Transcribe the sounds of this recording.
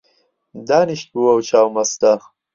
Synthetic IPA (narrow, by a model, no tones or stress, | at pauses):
d̪aːniʃt̪̚buwɐwt͡ʃaːwmɐst̪ax